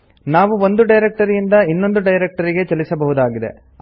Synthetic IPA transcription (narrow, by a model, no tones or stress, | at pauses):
naːʋuʋo̞nd̪uɖɐjɾek̚ʈɐɾijind̪ɐinːo̞nd̪uɖɐjɾek̚ʈɐɾiɡe̞t͡ʃɐlisɐbɐɦud̪aːɡid̪e̞̰